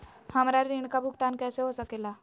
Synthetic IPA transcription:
həmɾaɾiɳ̃kabʱuɡt̪ankɛseɦosəkela

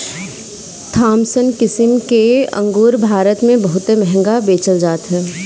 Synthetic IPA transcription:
t̪ʰaːmsənkɪsɪmkeɐ̰̃ŋɡuːɾbʱaːɾət̪mẽbɐɦʊt̪emɛɦɛ̃ŋɡabeːt͡ʃəld͡ʒaːt̪ɦɛː

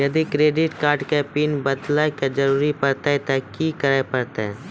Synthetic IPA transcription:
jɐd̪ikɾeːɖɪʈkaːɾɖkepiːnbɐd̪laked͡ʒɐɾuːɾipɐɾt̪at̪ɛkikəɾepɐɾt̪e

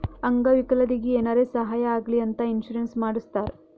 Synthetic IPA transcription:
ɐŋɡɐʋikɐlɐd̪iɡieːnaːɾeːsɐɦaːjɐaːɡliɐnt̪ɐinʃuɾensmaːɽust̪aːɾ

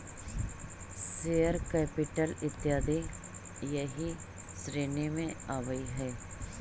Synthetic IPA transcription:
seːəɾkɛːpɪʈəlɪt̪ːjaːd̪ɪɡ | jɐɦi | sɾeːnemẽaːʋəiɦɛː

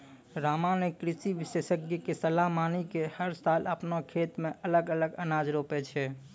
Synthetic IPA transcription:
ɾamanekɾɪsiʋɪsesəɡikesəlamanikehəɾsaləpnakʰet̪mẽʔələɡələɡənad͡ʒɾopɛt͡ʃʰɛ

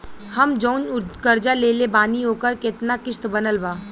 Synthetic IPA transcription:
hɐmd͡ʒoːnʊkəɾd͡ʒaleːlebaːniɦoːkəɾkɪt̪nakɪʃt̪bɐnəlbaː

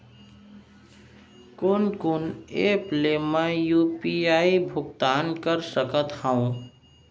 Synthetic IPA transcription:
kʊnkʊneplemẽjupiaːibʱʊɡt̪aːnkəɾsəkət̪hãũ

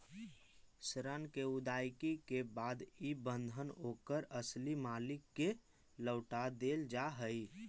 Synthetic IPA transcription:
sɾənkeud̪ajkikebad̪ibə̃nd̪ʱənokəɾəslimalɪkːe | ləʊʈad̪eld͡ʒaɦəi

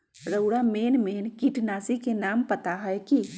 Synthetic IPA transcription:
ɾəʊɽameːnmeːnkiʈʰnaːsikenaːmpət̪aɦəjki

